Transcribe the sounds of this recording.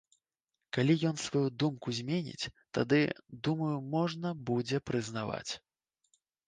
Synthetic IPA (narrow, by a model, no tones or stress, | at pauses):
kalʲijɔnsvajud̪umkuzʲmʲenʲḭt͡sʲt̪a̰d̪ɨd̪umɐjumɔʐnɐbud͡zʲɛpɾɨznava̰t͡sʲ